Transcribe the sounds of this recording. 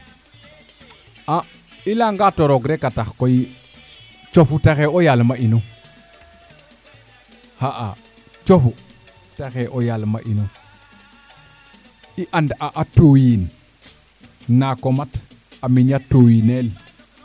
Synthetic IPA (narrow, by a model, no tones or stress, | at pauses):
a | ilaŋɡatoɾoɡɾekataxkoji | t͡ʃofutaxeojalmaʔino | haʔa | t͡ʃofu | taxeʔojalmaʔino | iʔandʔaʔatojin | nakomat | aminatojinel